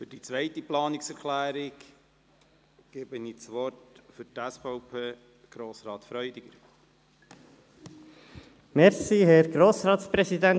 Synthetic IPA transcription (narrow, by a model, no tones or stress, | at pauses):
fʏd̥it͡sʋœjtiplɑːnɪksɛɾkʰlæːɾɪk | ɡ̥ebənit͡sʋɔɾtfʏɾtæsfɔʊpʰeː | ɡ̥ɾoːsɾɑːt̪fɾœʏdɪɡ̥əɾ | mɛɾsihɛɾɡɾoːsɾɑːt̪spɾɛsid̪æn